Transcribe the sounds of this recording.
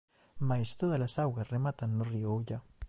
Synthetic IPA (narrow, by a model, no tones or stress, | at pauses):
majst̪oð̞alasawɣasremat̪aŋnoriooʎa